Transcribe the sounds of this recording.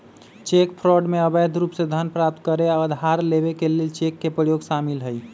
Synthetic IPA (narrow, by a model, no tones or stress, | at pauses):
t͡ʃekpʰɾɔɖmeəbəjd̪ʱɾupsed̪ʱənpɾap̚t̪kəɾeaəd̪ʱaɾlebekelelt͡ʃekːepɾəjoɡʃamilɦəj